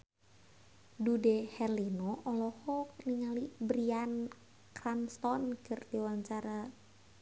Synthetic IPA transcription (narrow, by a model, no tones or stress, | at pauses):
dudɛhɛrlinɔʔɔlɔhɔkniŋalibɾian | kranst̪ɔnkɨrdiwaɲt͡ʃaɾa